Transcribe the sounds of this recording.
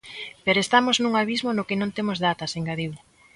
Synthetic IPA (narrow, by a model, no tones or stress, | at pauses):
peɾoest̪amoznũŋaβizmonokenõnt̪emozðat̪ɐseŋɡaðiw